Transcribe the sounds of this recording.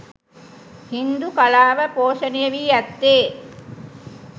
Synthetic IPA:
hind̪ukɐlaːʋɐpoːʂɐnijɐʋiɐt̪ːeː

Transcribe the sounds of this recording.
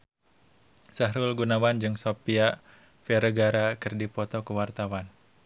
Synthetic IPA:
saɦɾʊlɡunawand͡ʒɨŋsopia | fɛɾəɡaɾakɨrdipɔt̪ɔkəwart̪awan

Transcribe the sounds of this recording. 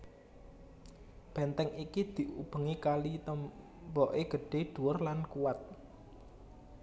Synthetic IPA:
b̥ɛ̤nt̪ɛŋikid̪̥i̤ʔub̥ə̤ŋikalit̪əm | bɔʔeɡ̥ə̤ɖ̥e̤ɖ̪̥uwərlankuwat̪̚

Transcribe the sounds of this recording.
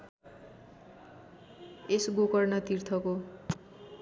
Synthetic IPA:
esɡokʌrnʌt̪irt̪ʰʌko

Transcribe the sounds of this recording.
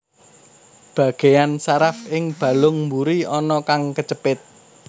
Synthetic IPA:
b̥ä̤ɡ̥e̤jansaɾafɪŋb̥ä̤lʊŋmbuɾiɔnɔkaŋkət͡ʃəpɪt̪̚

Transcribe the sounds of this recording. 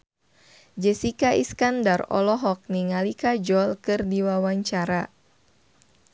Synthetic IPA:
d͡ʒɛsikaʔḭskandarɔ̰lɔɦɔk̚niŋalikad͡ʒɔlkɨrdiwawaɲt͡ʃaɾa

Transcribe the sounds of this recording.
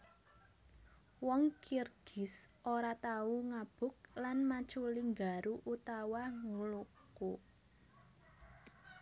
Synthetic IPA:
wɔŋkirɡ̥ɪ̤sʔoɾat̪auŋab̥ʊ̤k̚lanmat͡ʃuliŋɡaɾuʔut̪awaŋuluku

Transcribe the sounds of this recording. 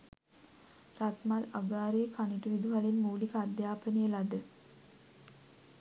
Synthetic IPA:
ɾat̪malaɡaːɾeːkʰaniʈəʋid̪uɦalinmuːlikaad̪jaːpənəjəlad̪ə

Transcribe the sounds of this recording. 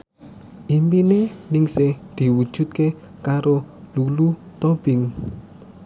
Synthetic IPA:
ʔimpinenɪŋsɪhd̪̥i̤wud̥ʒ̥ṳt̪̚kekaɾolulut̪ob̥ɪ̤ŋ

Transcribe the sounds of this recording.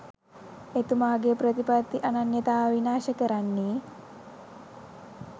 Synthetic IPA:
et̪umaːɡepɾət̪ipat̪ːiʔananjət̪aːʋinaːʃəkəɾanːiː

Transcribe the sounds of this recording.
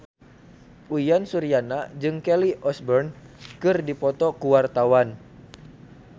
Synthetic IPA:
ʔujansuɾianad͡ʒɨŋkɛliʔɔsbɔrn | kɨrdipɔt̪ɔkuwart̪awan

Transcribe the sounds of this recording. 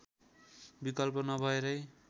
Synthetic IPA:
bikʌlp̬ʌnʌbʱʌeɾʌj

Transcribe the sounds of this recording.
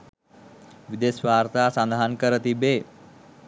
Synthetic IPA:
ʋid̪esʋaːɾt̪asãnd̪ʱaɦankəɾət̪ibeː

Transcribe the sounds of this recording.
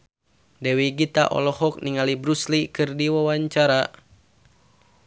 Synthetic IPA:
dɛwiɡit̪a̰ʔɔ̰lɔhɔk̚niŋalibɾuslikɨrdiwawaɲt͡ʃaɾa

